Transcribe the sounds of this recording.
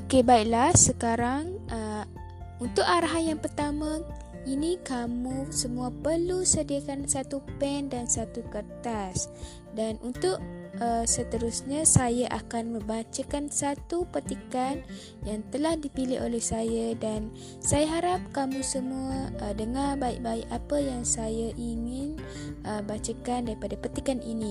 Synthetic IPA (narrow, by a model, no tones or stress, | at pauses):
okebaiʔlahsəkaɾaŋə | unt̪ʊʔaɾaɦanjaŋpərt̪amã | inikamũsəmuapərlusədiakansat̪upɛndansat̪ukərt̪as | danʔunt̪ʊʔəsət̪əɾusɲasajaʔakanmə̃bat͡ʃakansat̪upət̪ikan | jaŋt̪əlahdipilɪhʔolɛhsajadan | sajaɦaɾap̚kamũsəmuadəŋarbaiʔbaiʔapəjaŋsajaʔiŋɪn | ʔəbat͡ʃakandaɾipadapət̪ikanini